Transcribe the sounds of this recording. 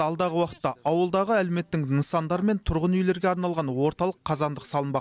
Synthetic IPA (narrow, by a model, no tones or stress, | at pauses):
ɑlˠd̪ɑʁəwɑqə̥t̪ːɑɑwəlˠd̪ɑʁəæleme̞t̪ːɪŋənsɑnd̪ɑɾme̞nt̪ʰʊɾʁənʏjle̞ɾɡʲeɑɾnɑlˠʁɑnwo̞ɾt̪ɑlˠəqʰːɑzɑnd̪əqsɑlˠənbɑq